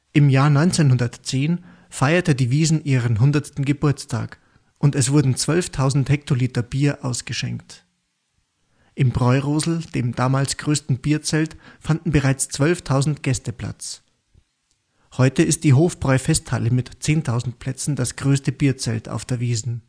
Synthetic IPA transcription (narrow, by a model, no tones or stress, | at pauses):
ʔɪmjaːɐnɔʏnt͡senhʊndɐtt͡seːn | faɪɐtədiːviːzn̩ʔiːʁənɦʊndɐstn̩ɡəbʊɐt͡stʰa̰ːk | ʔʊntɛsv̥ʊɐdn̩t͡sv̥œlftʰaʊzn̩thɛk̚tʰoliːtɐbiːɐʔaʊsɡ̥əʃɛ̰ŋkt | ʔɪmbʁɔʏʁoːzl̩d̥eːmd̥aːmaːlsɡ̥ʁøːstn̩b̥iːɐt͡sɛltfandn̩bəʁaɪt͡st͡sv̥œlftʰaʊzn̩tɡ̥ɛstəpl̥a̰t͡s | hɔʏtəɪst̚d̥iːɦoːfb̥ʁɔʏfɛsthaləmɪtt͡seːntʰaʊzn̩tpʰl̥ɛt͡sn̩d̥asɡ̥ʁøːstəbiːɐt͡sɛ̰ltʰa̰ʊfd̥eːɐviːzn̩